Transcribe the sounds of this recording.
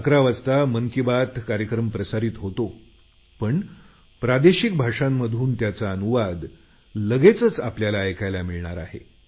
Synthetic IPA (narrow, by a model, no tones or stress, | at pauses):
akɾaʋast̪aməŋkibat̪kaɾjəkɾəmpɾəsaɾiːt̪ɦot̪o | pəɳ | pɾad̪eɕik̚bʱaʂamːəd̪ʱuːnt̪jat͡saənuʋad̪ | ləɡet͡sət͡sapljalajkajlamiɭɳaɾa̰ɦḛ